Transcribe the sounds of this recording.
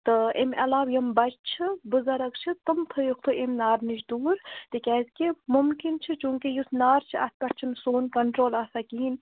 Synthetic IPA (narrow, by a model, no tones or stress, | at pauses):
t̪ɨʔemɐlaːʋjɐmbɐt͡ʃt͡ʃʰibɨzɐɾɐkt͡ʃʰit̪ɨmt̪ʰɨjuk̚t̪ʰɨʔemnaːɾnit͡ʃd̪uːɾt̪ikʲɛːzkimumkint͡ʃʰit͡ʃũːŋkijusnaːɾt͡ʃʰiɐ̰t̪̚ʰpʲɐʈt͡ʃʰimsoːnkɐɳʈɾoːlaːsɐkiːn